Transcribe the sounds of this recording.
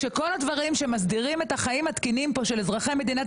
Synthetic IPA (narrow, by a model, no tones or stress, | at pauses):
ʃeko̞lad̪vaʁimʃemas̬diʁimet̪haχaimhat̪kinimpo̞ʃelezʁaχeme̞d̪ina